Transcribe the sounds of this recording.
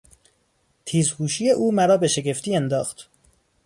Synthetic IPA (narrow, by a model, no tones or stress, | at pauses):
t̪ʰiːzhuːʃije̞ʔuːmæɾɒːbe̞ʃe̞ɡe̞ft̪ʰiːend̪ɒːxt̪